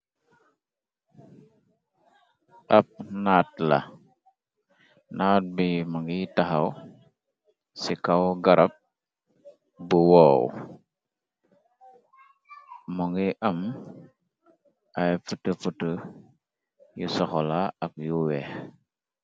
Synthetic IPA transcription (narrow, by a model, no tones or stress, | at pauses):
ʔap̚natla̰ | nat̚bimuŋɡitahaw | sikawɡaɾʔap̚ | buwow̰ | muŋɡiʔam | ajfutəfutə | jusoxolaak̚juwe